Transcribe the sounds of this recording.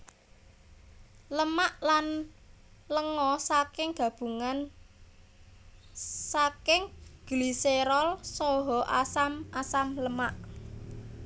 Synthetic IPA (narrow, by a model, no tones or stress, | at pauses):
ləmaʔlan | ləŋɔsakɪŋɡ̥ä̤b̥ṳŋan | sakɪŋɡ̥liseɾɔlsɔɦɔʔasamasamləmaʔ